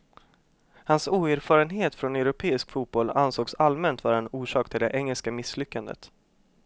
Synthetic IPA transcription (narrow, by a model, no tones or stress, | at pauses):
hansuːæɾfɑːɾənɦeːt̪fɾɔnɛwɾʊpʰeːɪskfuːt̪̚bɔlansoːɡsalmɛnt̪vɑːɾaɛnuːʂɑːk̚t̪ʰɪld̪ɛʔɛŋːɛlskamɪslʏkːand̪ə̰t̪